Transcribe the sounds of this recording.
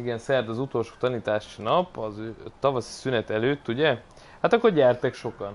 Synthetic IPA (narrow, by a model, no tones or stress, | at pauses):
iɡɛnsɛrd̪ɒzut̪o̞lʃo̥ːt̪ɒniːt̪aːʃinɒpɒzøt̪ɒvɒsi̥synɛt̪ɛløːt̪ːuɟɛ | hat̪ɒkːorɟɛrt̪ɛkʃo̞kɒn